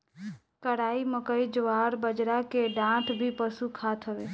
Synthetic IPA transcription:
kəɽaːiməkəid͡ʒʋaːɾbəd͡ʒɾakeɖãt̪ʰbʱipəsukʰaːt̪ʰɦəʋe

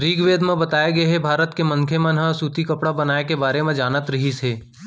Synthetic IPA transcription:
ɾiːɡʋeːd̪mẽbɐt̪aːeɡɐeɦɛbʱaːɾət̪kemɐ̃ŋkʰemẽnɦɐ̃suːt̪ikɐpɽabɐnaːekebaːɾemẽd͡ʒaːnət̪ɾɐɦiseː

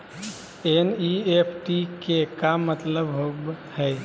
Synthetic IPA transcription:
eniepʰʈikekamːət̪ləbɦobhɛj

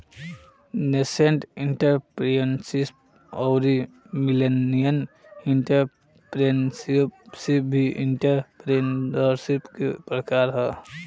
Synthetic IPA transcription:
neseɳʈiɳʈəɾpɾiensisp | ɔʊɾi | milenijən | iɳʈəɾ | pɾensipsip̚bʱiʔiɳʈəɾpɾendəɾsipkepɾəkaːɾɦɛ

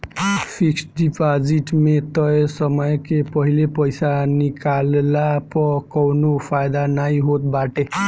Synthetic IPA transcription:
pʰiksɖipad͡ʒiʈmet̪əjsəməjkepəɦilepəjsanikallapʌkɔwnopʰajd̪anaĩɦot̪̚baʈe

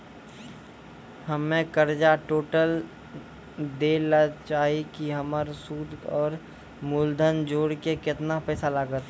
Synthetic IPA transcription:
həmːẽkəɾd͡ʒaʈoːʈəl | d̪eːlat͡ʃaːɦikiɦəməɾsuːd̪ɔːɾ | mʊld̪ʱənd͡ʒoːɽkekɪt̪napɛːsalaːɡət̪

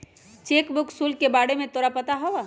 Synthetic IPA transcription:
t͡ʃeːkbʊksulkebaːɽemẽt̪oːɾapət̪aɦɔʋa

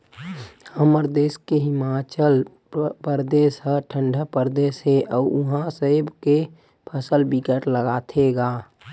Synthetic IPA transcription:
həməɾd̪eːskeɦɪmat͡ʃəl | pəɾd̪eːsɦəʈʰə̃ɳɖʱəpəɾd̪eːsɦeʔɔːʊɦãsəɦbke | pʰəsəlbɪkəʈləɡaːt̪ʰeɡaː

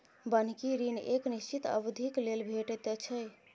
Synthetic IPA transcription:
bən̤kiɾineknist͡ʃit̪ə̰bd̪ʱiklelbʱeʈet̪et͡ʃʰəj

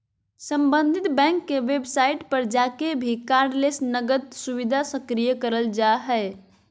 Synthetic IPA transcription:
səmbənd̪ʱit̪bɛ̃ŋkːeʋebsaiʈpəɾd͡ʒakebʱikaɾɖlesnəɡəd̪̚suʋid̪ʱasəkɾijəkəɾəld͡ʒaɦɛ

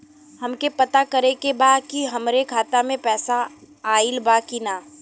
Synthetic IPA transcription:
hɐmkepɐt̪akɐɾekebaːd̪kiɦɐmɾekʰaːt̪amẽpɛːsa | aːɪlbakinaː

